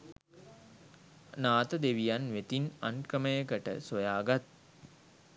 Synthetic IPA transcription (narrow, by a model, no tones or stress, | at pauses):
naːt̪əd̪eʋijanʋet̪inankəməjəkəʈə̰sojaːɡat̪̚